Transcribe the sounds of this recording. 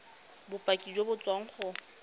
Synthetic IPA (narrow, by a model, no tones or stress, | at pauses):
bʊpʼakʼid͡ʒwobʊt͡sʼwaŋ̩χʊ